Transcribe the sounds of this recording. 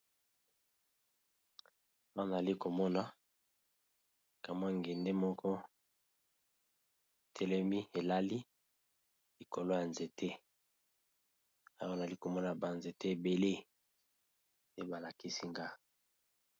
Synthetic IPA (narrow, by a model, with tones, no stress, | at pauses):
na˨a˨li˦ko˨mɔ˦na˨ | ka˨m˦a˦˨ŋɡe˨nde˦mɔ˦kʰɔ˦ | e˨tʰɛ˦lɛ˦mi˦e˨la˦li˦ | li˨ko˨lo˦ja˨nze˨tʰe˦ | a˨jna˨a˨li˦ko˨mɔ˦na˨ba˨nze˨te˦e˨be˨le˦ | te˦ba˨la˨ki˦si˦ŋɡa˦